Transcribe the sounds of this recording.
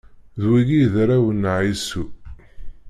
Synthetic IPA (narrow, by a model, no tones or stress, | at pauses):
ðwiɡiðɾæwənʕisu